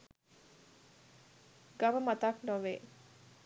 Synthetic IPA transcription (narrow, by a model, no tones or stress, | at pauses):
ɡɐʋəmɐt̪aknoʋeː